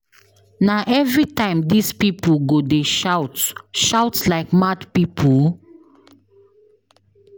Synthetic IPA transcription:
naʔɛvɹitãɪ̃mdispipuɡodeʃaʊtʃaʊtslaɪkmadpipʰul

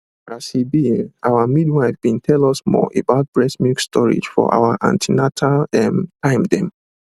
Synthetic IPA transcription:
asibiʔawamidwaɪfbĩntʰɛlɔsmɔ̰ʔebaʊt̚b̥ɹɛsmikstʰɔɹḭd͡ʒfɔ̰ʔa̰waʔã̰ntʰinatʰalɛmtãɪmdɛ̃m

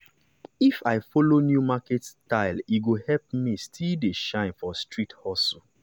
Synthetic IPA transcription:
ifaɪfolonjumaketstaɪliɡohɛlp̚mĩstʰildeʃãɪ̃nfɔstɹithɔsu

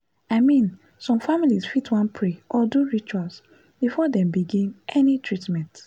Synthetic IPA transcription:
aɪmĩn | sɔ̃mfamilizfitwãnpʰɹeʔɔduɹit͡ʃuals | b̥ifɔdɛ̃mbiɡĩnɛnitɹitmɛ̃nt

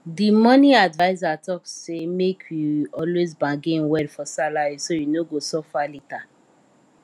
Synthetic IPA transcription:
dimɔniadvaɪzatɔksemekʰjuɔlwezbãɡenwɛdfɔsalaɹisojunoɡosɔfalita

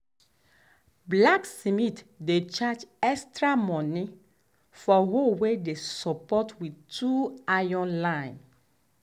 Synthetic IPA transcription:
blaksimitdet͡ʃad͡ʒɛstɹamɔ̃ni | fɔhowedesɔpɔtwitʰuajɔ̃nlãɪ̃n

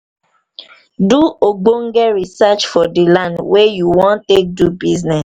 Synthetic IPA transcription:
duoɡ͡boŋ̩ɡɛɹisat͡ʃfɔdilãndwejuwɔ̃ntek̚dubiznɛs

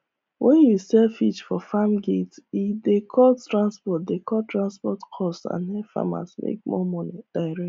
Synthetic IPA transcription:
wʔɛ̃njusɛlfit͡ʃfɔfamɡetidekʰɔtɹãnspɔt̚dekɔltɹãnspɔtkʰɔstã̰nhɛfa̰ma̰smḛk̚mɔ̰mɔnid̥aɪɾɛ

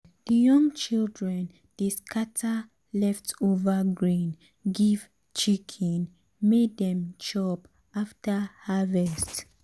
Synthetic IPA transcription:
d̥əjɔ̃ŋt͡ʃildɹɛ̃n | d̥eskʰatʰa | lɛftovaɡɹĩn | ɡiv̥ | t͡ʃikʰɛ̃n | meddɛ̃mt͡ʃɔp | aftahavɛst

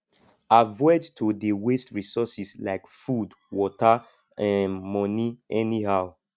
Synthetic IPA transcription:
avɔɪdtʰodewestɹisɔsislaɪkfud | wɔta | ãnmɔniɛnihaʊ

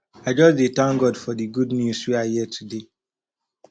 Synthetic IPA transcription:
aɪd͡ʒɔsditãŋɡɔdfɔdiɡudnjuswiajiɛtʰude

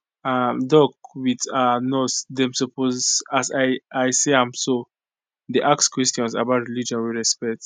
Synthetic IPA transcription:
amdɔk̚witanɔsdɛ̃msɔpozasajajseãmso | deʔak̚skwɛstjɔ̃nsa̰baʊtɹilid͡ʒɔ̃nwiɹɛspɛk̚t

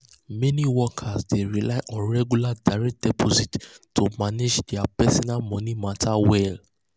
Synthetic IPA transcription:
mɛ̃nĩwɔkʰasdeɹilaɪʔɔ̃nɹɛɡjuladaɾɛk̚d̥ɛpʰɔzittʰːomaned͡ʒdiapɛsɔ̃namɔ̃nĩmãtʰawɛl

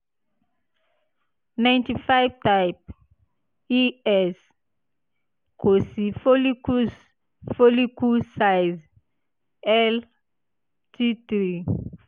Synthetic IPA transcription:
nãj̃ntifajvtajp̚ | iɛs | kosifolikus | folikusajz | ɛl | tʰit̪ɾi

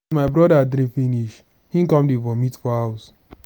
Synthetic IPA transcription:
maɪbɾɔdadɾĩfiniʃ | hĩŋ̩kɔ̃mdefɔmitfɔhaʊs

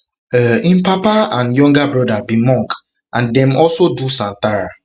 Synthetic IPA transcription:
ɛĩmpapaãnjɔ̃ŋɡabɹɔdabimɔ̃ŋk | ʔãndɛ̃mɔlsodusãntaɹa

